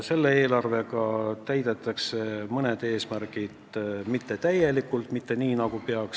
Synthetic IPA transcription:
se̞lːe̞e̞ːlɑrve̞kɑt̪æjd̪̥e̞t̪ːˑɑkse̞mɤned̪̥e̞ːsmæɾɡid̪̥mit̪ːe̞t̪æje̞likːˑult̪mit̪ːe̞niːnɑɡ̥upe̞ɑk

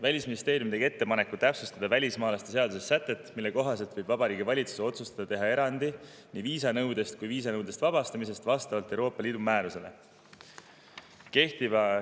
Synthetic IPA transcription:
vælʲisminʲist̪e̞ːɾjumt̪e̞ɡie̞t̪ːe̞pɑne̞kːut̪æpsust̪ɑd̪ɑvælʲismɑːlɑst̪ese̞ɑd̪usesːæt̪ːˑe̞t̪ːˑmilːe̞ko̞ɦɑse̞lt̪v̥ɤ̞jb̥vɑbɑɾiːɡivɑlʲit̪su̥seo̞t̪sust̪ɑd̪̥ɑt̪e̞ɦɑe̞ɾɑnd̪̥i | niviːsɑnɤwd̪̥e̞st̪̚kujviːs̬ɑnɤwd̪̥est̪vɑbɑst̪ɑmis̬e̞st̪vɑst̪ɑvɑlt̪ːˑewɾoːpːˑɑliːd̪umæːɾuse̞le̞̰ | ke̞ht̪ivɑ

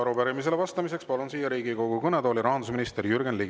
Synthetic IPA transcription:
ɑɾupæɾimis̬e̞levɑst̪ɑmise̞kspɑlunsiːjɑɾiːɡiko̞ɡukɤned̪oːlʲiɾɑɦɑnd̪us̬minist̪eɾjyrɡenliɡ

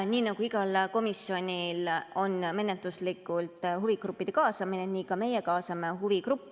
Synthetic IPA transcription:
niːnɑɡ̥uiɡ̥ɑlko̞misːjo̞nʲilo̞nːme̞ne̞t̪ːˑuslikːˑult̪ˑɦuvikrupːˑid̪̥e̞kɑːsɑmineniːkɑme̞je̞kɑːsɑme̞ɦuvikrupːˑ

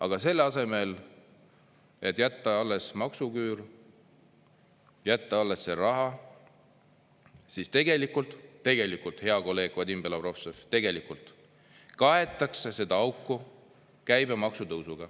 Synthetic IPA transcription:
ɑɡ̥ɑse̞lːɑse̞me̞l | e̞t̪ːˑjæt̪ːɑɑlːe̞smɑksukyːɾ | jæt̪ːɑɑlːe̞sːeɾɑɦɑ | sist̪e̞ɡe̞likult̪ˑt̪ːe̞ɡ̥e̞likult̪he̞ɑko̞lːe̞ːɡ̥vɑd̪ʲimb̥e̞lɑpro̞fseft̪e̞ɡe̞likult̪ˑ | kɑɦe̞t̪ːˑɑksese̞d̪̥ɑɑwkːˑu | kæjbemɑksut̪ɤwsuɡ̥ɑ

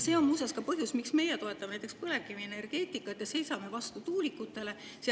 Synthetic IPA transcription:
se̞ːo̞musɑskɑpɤɦjusmiksme̞jet̪o̞et̪ːˑɑmnæjt̪ekspɤlekːˑimie̞ne̞rɡ̥e̞ːt̪ˑikːˑɑt̪jɑse̞jsɑme̞vɑst̪ut̪uːlikːˑut̪ːˑe̞le̞ | se

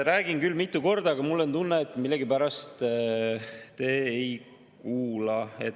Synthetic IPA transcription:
ɾæːɡinkylːmit̪ˑːuko̞rd̪ɑɡɑmulːent̪unːeːt̪ːˑmilːeɡ̥ipæɾɑst̪ | t̪e̞ːej | kuːlɑe̞t̪

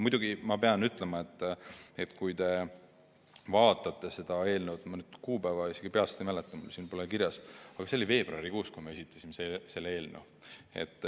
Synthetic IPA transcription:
mujd̪̥uɡimɑpe̞ɑnyt̪ˑle̞mɑe̞t̪ːet̪kujt̪e̞ | vɑːt̪ˑːɑt̪ːˑe̞se̞d̪̥ɑe̞ːlnewt̪mɑnyd̪̥kuːbævɑise̞ɡ̥ipe̞ɑlst̪ejmælet̪ːˑɑmṵlsinmpolekiɾjɑsɑɡ̥ɑseolive̞ːb̥roɑɾikuːskujmɑe̞sʲit̪ːˑɑ̥sʲimesese̞lːee̞ːlnew | e̞̰t̪ˑː

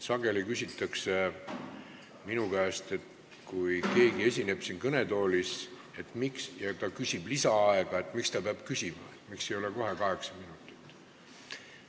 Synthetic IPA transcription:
sɑɡ̥e̞likysʲit̪ːˑɑkse̞ | minukæest̪e̞t̪ | kujke̞ːɡie̞sʲine̞b̥sinkɤne̞t̪o̞ːlis | e̞t̪ˑmiksjɑt̪ɑkysʲib̥lisɑɑeɡ̥ɑe̞t̪ːˑmikst̪ɑpeɑb̥kysʲimɑ̰et̪ːmikse̞jo̞leko̞ɦe̞kɑɦe̞ksɑminut̪ːˑi̥t̪ːˑ

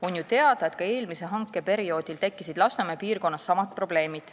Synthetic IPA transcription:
o̞njut̪e̞ɑd̪̥ɑe̞t̪kɑe̞ːlmiseɦɑŋkːˑe̞pe̞ɾio̞ːd̪̥ilt̪e̞kːisid̪̥lɑsemepiːrko̞nːɑsːɑmɑt̪̚pro̞b̥le̞ːmid̪̥

